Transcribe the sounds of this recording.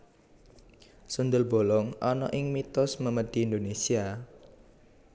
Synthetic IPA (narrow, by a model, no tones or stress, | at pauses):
sund̪ʊlb̥olɔŋʔɔnɔ̰ʔɪŋmit̪ʊsməməd̥i̤ːnd̪onesia